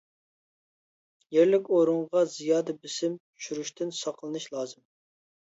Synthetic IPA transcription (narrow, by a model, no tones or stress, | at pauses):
jeɾlɪkʲoɾuɴʁɑzijɑːd̪ɨbɪsɪm | ʃyɾuʃt̪ɪnsɑqlˠɨnɨʃlˠɑːzɨm